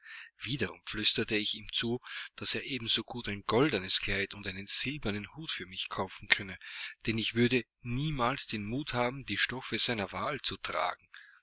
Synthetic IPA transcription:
v̥iːdɐʁʊ̰mflʏstɐtəɪçiːmt͡suːd̥aseːɐʔeːbm̩zoːɡuːtæɪnɡɔldənəskl̥aɪtʊntaɪnənz̥ɪlbɐnənhuːtfyːɐmɪçkʰaʊfn̩kʰœnəd̥ɛnɪçv̥ʏɐdə | niːmaːlsd̥eːnmuːthaːbm̩diːʃtɔfəzaɪnɐvaːlt͡sutʁ̥a̰ːɡŋ̩

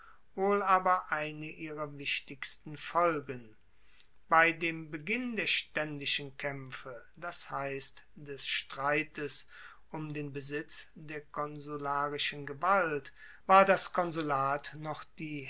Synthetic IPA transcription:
voːlaːbɐʔaɪnəʔiːʁɐvɪʃtɪkstn̩fɔlɡən | b̥aɪdeːmbəɡɪndeːɐʃtɛndɪʃənkʰɛmfəd̥ashaɪstd̥ɛsʃtʁ̥aɪtəs | ʔʊmdeːnbəzɪt͡sd̥eːɐkɔnzulaːʁɪʃənɡəvalt | v̥aːɐdaskʰɔnzulaːtnɔχd̥iː

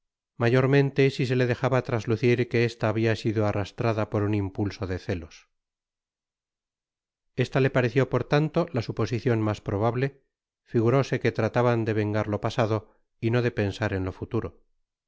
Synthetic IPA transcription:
maʝo̞ɾmẽ̞nt̪e̞sis̬e̞le̞ðe̞xaβat̪ɾazluθiɾke̞est̪aːβ̞iasiðoarast̪ɾaðapo̞ɾunimpulso̞ðe̞θe̞lo̞s | e̞st̪ale̞paɾe̞θjo̞po̞ɾt̪ant̪o̞lasupo̞siθjo̞nmaspɾo̞β̞aβle̞ | fiɣuɾo̞se̞ke̞t̪ɾat̪aβand̪e̞βe̞ŋɡaɾlo̞pasaðo̞ | ino̞ðe̞pe̞nsaɾe̞nlo̞fut̪uɾo̞

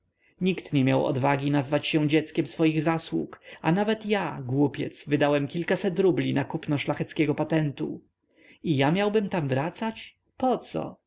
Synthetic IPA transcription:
ɲikt̪ɲɛmʲjawɔ̰d̪vaɡʲinazvat͡ɕɕɛ̃d͡ʑɛt̪skʲɛmsfɔjiɣzaswṵkanavɛt̪jaɡwupʲjɛ̰t̪svɘd̪awɛmkʲilkasɛt̪ɾublʲinakupnɔʂlaxɛt̪skʲɛɡɔpat̪ɛnt̪ṵ | ijamʲjawbɘmt̪amvɾat̪sat͡ɕ | pɔt̪sɔ̰

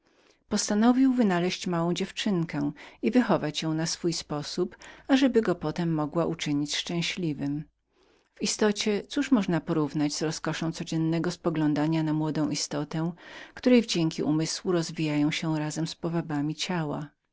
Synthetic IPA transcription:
pɔst̪anɔvʲiwvɘnalɛɕt͡ɕmawɔ̃w̃d͡ʑɛft͡ʂɘŋkɛivɘxɔvat͡ɕjɔ̃w̃nasfujspɔsupaʐɛbɘɡɔpɔt̪ɛmːɔɡwaʔut͡ʂɘɲit͡ɕʂt͡ʂɛ̃w̃ɕlʲivɘm | vist̪ɔt͡ɕɛt̪suʂmɔʐnapɔɾuvnad͡ʑz̥ɾɔskɔʂɔ̃w̃t̪sɔd͡ʑɛnːɛɡɔspɔɡlɔ̃nd̪aɲanamwɔd̪ɔ̃w̃ist̪ɔt̪ɛ̃kt̪uɾɛjvd͡ʑɛŋkʲiʔumɘswuɾɔzvʲijajɔ̃w̃ɕɛɾazɛmspɔvabamʲit͡ɕawa̰

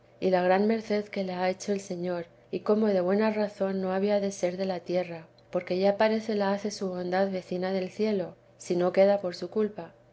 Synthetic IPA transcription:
ilaɣ̞ɾanme̞ɾθe̞ðke̞leae̞t͡ʃo̞else̞ɲo̞ɾ | iko̞mo̞ðe̞βwe̞naraθo̞nːo̞aβiaðe̞se̞ɾðe̞lat̪je̞ra | po̞ɾke̞ʝapaɾe̞θe̞laaθe̞suβo̞nd̪aðβe̞θinaðe̞lθje̞lo̞ | sino̞ke̞ðapo̞ɾsukulpa

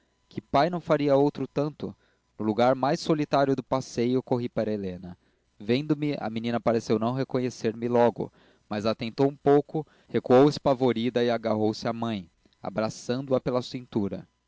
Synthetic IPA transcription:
kʰɪpajnɐ̃w̃faɾiɐowt̪ɾʊt̪ɐ̃nt̪ʊ | nʊluɡaɾmajsolit̪aɾjʊd̪ʊpasejʊkoɦipaɾɐelẽnɐ | vẽnd̪ʊmɪɐ̰minĩnɐpaɾesewnɐ̃w̃ɦekõɲeseɾmɪlɔɡʊ̰ | mɐzat̪ẽnt̪owũpowkʊ | hekuowɪspavoɾid̪ɐɪaɡaɦowsɪamɐ̃j̃ | a̰bɾasɐ̃nd̪ʊɐpelɐsĩnt̪uɾɐ̰

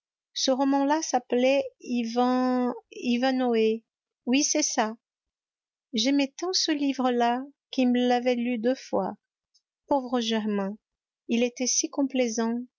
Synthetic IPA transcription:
səʁɔmɑ̃lasaplɛvɛ̃ | ivãnoe | wisɛsa | ʒɛmɛt̪ɑ̃səlivʁəlakʲiməlavɛlyd̪øfwa̰ | povʁəʒɛʁmɛ̃ | ilet̪ɛsikɔ̃plezɑ̃

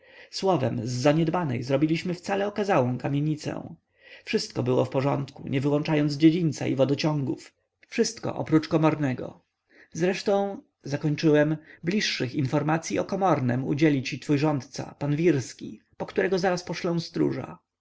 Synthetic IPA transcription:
swɔvɛ̰mzːaɲɛd̪banɛ̰jzɾɔbʲilʲiɕmɘft̪salɛɔkazawɔ̃w̃kamʲjeɲit̪sɛ̰̃w̃ | fʂɘst̪̚kɔbɘwɔ̰fpɔʐɔnt̪kuɲʔɛvɘwɔnt͡ʂajɔnzd͡ʑed͡ʑint̪sa̰ḭvɔd̪ɔt͡ɕɔ̃ŋɡuf | fʂɘst̪kɔ̰ʔɔ̰pɾut͡ʂkɔmɔɾnɛɡɔ̰ | zɾɛʂt̪ɔ̃w̃ | zakɔɲt͡ʂɘwɛmblʲiʂːɘxinfɔɾmat̪sʲjiɔkɔmɔɾnɛ̰mṵd͡ʑɛlʲit͡ɕit̪fujʐɔnt̪t̪sa̰panvʲiɾskʲi | pɔkt̪uɾɛɡɔzaɾaspɔʂlɔ̃w̃st̪ɾṵʐa̰

